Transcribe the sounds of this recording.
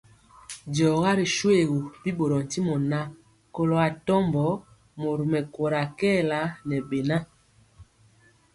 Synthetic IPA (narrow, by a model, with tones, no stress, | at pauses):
dɔ˨ɣa˦ɾi˨ʃwe˨ɣu˨pi˦ɓo˨ɾɔ˨n̩˨ti˦mɔ˨na˦ | ko˨lo˨a˨tɔ˦mbɔ˨˦ | mo˨ɾu˨mɛ˨ko˨ɾa˨kɛː˦˨la˨˦nɛ˨be˨na˦